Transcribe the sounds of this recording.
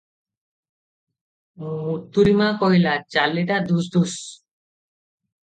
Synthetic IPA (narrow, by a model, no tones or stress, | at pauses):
mũut̪uɾimakɔɦjlat͡ʃaleʈad̪usd̪us